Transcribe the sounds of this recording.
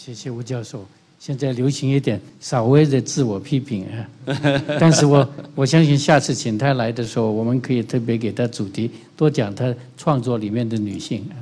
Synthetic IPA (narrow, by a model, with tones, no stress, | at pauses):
ɕjɛ˥˩ɕjɛ˧u˧˥t͡ɕjɑ˥˧ʊʂo˥˩ʊ | ɕjɛ˥˧nt͡sa˥˩ɪljo˧˥ʊɕi˧˥ŋi˥˩t̪jɛ˨˩nʂɑ˨˩ʊwe˥˧ɪd̪ə˥˧t͡sɹ̩˥˩wɔ˨˩pʰi˥pʰi˨˩˦ŋa˧t̪a˥˧nʂɻ̩˥˩wɔ˨˩wɔ˨˩ɕjɑ˥ŋɕi˥˧nɕja˥˧t͡sʰɹ̩˥˩t͡ɕʰi˧˥nt̪ʰa˥˩ɪla˧˥ɪd̪ə˧ʂɻ̩˧˥xo˥˧ʊwɔ˨˩mə˧˦nkʰɤ˧˥i˨˩t̪ʰɤ˥˩p̬jɛ˧˥ke˨˩ɪt̪ʰa˥t͡su˨˩t̪ʰi˧˥t̪wɔ˥t͡ɕjɑ˨˩ŋt̪ʰa˥ | ʈ͡ʂʰwɑ˥˧ŋt͡swɔ˥˩li˨˩mjɛ˥˩nd̪ə˨ny̰˨˩ɕi˥˩ŋ˧